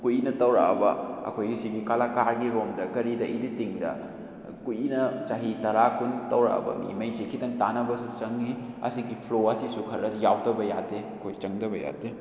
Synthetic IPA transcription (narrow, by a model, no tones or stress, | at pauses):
kuinɐtɐwɾa̰ɐ̰bɐɐ̰kʰojɡisiɡikalakaɾɡiɾomdɐkɐɾidɐʔḭditiŋdɐ̰ | kujinɐsaɦitɐɾakuntɐwɾa̰ɐ̰bɐ̰mḭmɐjsikʰitɐŋtanɐbɐsut͡ʃɐŋːiɐ̰siɡipʰloɐsisukʰɐɾɐsjawtɐbɐja̰deɐkʰojt͡ʃɐŋdɐbɐja̰te